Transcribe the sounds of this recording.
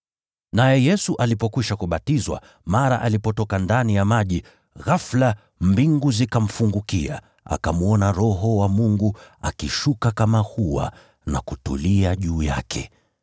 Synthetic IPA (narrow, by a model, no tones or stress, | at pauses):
najɛjɛsuʔalipɔkwiʃakuɓatizwa̰ | maɾa̰ʔalipɔtɔkandanijamaʄi | ɣafla | mbiŋɡuzikam̩fuŋɡukia̰ | a̰kamuɔnaɾɔɦɔwamuŋɡuakiʃukakamahuwa̰ | na̰kutṵliaʄuːja̰kʰɛ̰